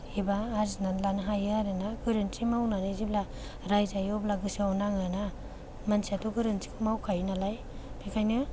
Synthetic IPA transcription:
hibaːɾzinalanɯɦajɯaɾɯnaɡɯɾɯntimawnanɯzibla | ɾajzajɔblaɡɯsawnaŋana | mansʰiatɔɡɯɾɯnti̥kʰɯmawkʰajnalaj | pʰikʰajnɯ

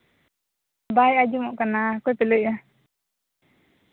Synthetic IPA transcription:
abajad͡ʒumɔʔkanakɔjpɛləja

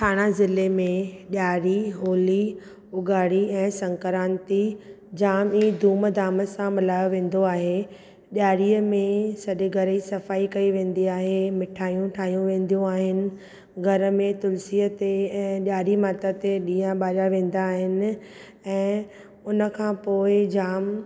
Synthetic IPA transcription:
ʈʰaːɽ̃azɪlemẽɗjaːɽiɦoːli | ʊɡaːɽiɛ̃ːsɐ̃ŋkəɾaːnt̪i | d͡ʑaːmiːd̪ʱuːmd̪ʱaːməsãmɪlaːjoʋẽːn̆d̪oaːɦe | ɗjaːɽiːəmẽsɐʄeɡʱɐɾəisɐfaːikɐiʋẽːn̆d̪iaːɦemɪʈʰaːjũʈʰaːjũʋẽːn̆d̪ijũaːɦɪnɪ̆ | ɡʱɐɾə̆mẽt̪ʊlsiːət̪eɛ̃ːɗaːɾimaːt̪at̪eɗĩːə̃ɓaːɾaʋẽːn̆d̪aːɦɪnɪ̆ | ɛ̃ː | ʊnə̆kʰãpoːɪd͡ʑaːm

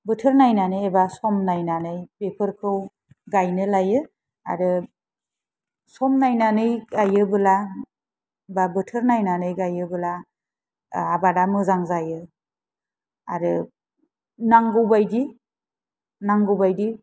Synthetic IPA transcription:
bɯtʰɯɾnajnanɯebasɔmnajnanɯjpepʰɯɾkʰɯw | ɡajnɯlajɯ | a̰ɾɯ | sɔmnajnanɯjɡajɯbɯla | babɯtʰɯɾnajnanɯjɡajɯbɯla | abadamɯzaŋzajɯ | a̰ɾɯ | naŋɡɯwbajdi | naŋɡɯwbajdi

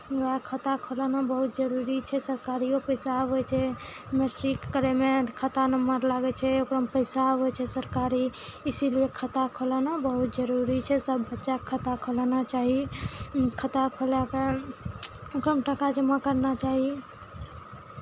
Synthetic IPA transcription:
akʰət̪akʰolənabəɦut̪̚d͡ʒəɾuɾit͡ʃʰɛsəɾkaɾiopəjsabojt͡ʃʰɛ | meʈɾikːəɾemekʰət̪anəməɾlaɡɛt͡ʃʰɛokɾəmpəjsabɦojt͡ʃʰɛsəɾkaɾiisilijekʰət̪akʰolənabəɦut̪̚d͡ʒəɾuɾit͡ʃʰɛsəbːətːʃakʰət̪akʰolnat͡ʃaɦi | kʰət̪akʰolake | okɾəmʈakad͡ʒəmakəɾnat͡ʃaɦi

